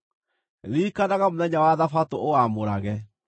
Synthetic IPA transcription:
ɾiːkanaɣamonɛɲawaðafatoʔoamoɾaɣɛ

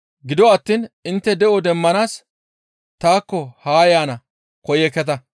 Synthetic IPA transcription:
ɡɪd̪ɔɐt̪ːiːnɪnt̪ːɛd̪ɛʔɔd̪ɛmːɐnaːs | t̪aːkːɔhaːjaːnɐ | kɔjɛkɛt̪̬ɐ

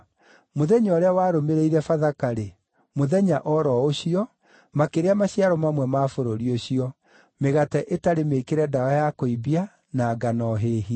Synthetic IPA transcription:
moðɛɲɔɾeawaːɾomeɾeiɾɛfaðakaɾe | moðɛɲaʔɔɾɔoɕiɔ | makeɾeamaɕiaɾɔmamwɛmaːfoɾoɾioɕiɔ | meɣatɛʔetaɾemekeɾɛdaajakoibia | naːɡanɔɦeːɦi

